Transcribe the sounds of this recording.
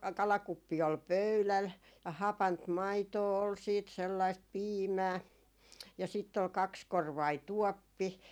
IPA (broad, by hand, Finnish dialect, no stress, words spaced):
kɑlɑkupːi ol pøylæl jɑ hɑpɑnt mɑitoː ol siːt selːɑist piːmæː jɑ sitː ol kɑkskorʋɑi tuɔpːi